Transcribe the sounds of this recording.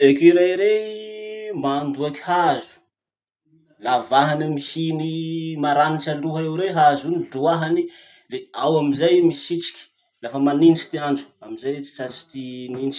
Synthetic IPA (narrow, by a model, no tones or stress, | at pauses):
ekiɾaiɾe | mand̪uaki̥hazu̥ | lavaɦanəmihinimaɾaniʈ͡ʂaɳɖ͡ʐuɦaewɾeɦazuniluaɦani | leawamizajmisit͡si̥kʲi̥ | lafəmaninsi̥t̪iand͡ʒu̥amizajt͡si̥t͡sasi̥t̪ininit͡ʃ